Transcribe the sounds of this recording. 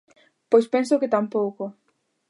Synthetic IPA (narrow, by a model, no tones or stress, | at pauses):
pojspensʊkɪt̪ampowko